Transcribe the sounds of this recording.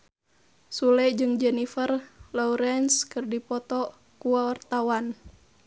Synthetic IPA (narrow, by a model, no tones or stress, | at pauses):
sulɛd͡ʒɨŋd͡ʒɛnifərlɔuɾɛnskɨrdipɔt̪ɔ | kuwawart̪awan